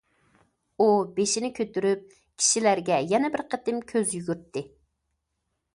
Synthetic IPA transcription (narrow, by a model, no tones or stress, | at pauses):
ubeʃinɪkʲʰøt̪yɾyp̚ | kʲʰi̥ʃilæɾɡʲɛjɛnɛbɪɾqʰət̪ɨmkʲʰøzjyɡʲyɾt̪ʰːɪ